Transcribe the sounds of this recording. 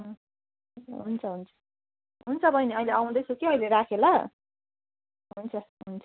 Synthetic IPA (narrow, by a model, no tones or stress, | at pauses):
ɦʌ | ɦunt͡sʰʌɦunt͡sʰʌ̥ | ɦunt͡sʰʌbʱʌjneʌileaw̃d̪ʌjt͡sʰukiʌjleɾakʰelʌ | ɦunt͡sʰʌɦunt͡sʰʌ̥